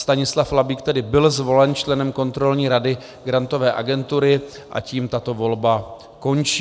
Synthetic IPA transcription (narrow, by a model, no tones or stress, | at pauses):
st̪aɲɪslaflabiːkt̪ɛdɪbɪlzvo̞lɛnt͡ʃlɛnɛmko̞nt̪ɾo̞lɲiːɾadɪ | ɡɾant̪o̞vɛːʔa̰ɡɛnt̪uɾɪ | ʔa̰ciːmt̪at̪o̞vo̞lba | ko̞nt͡ʃiː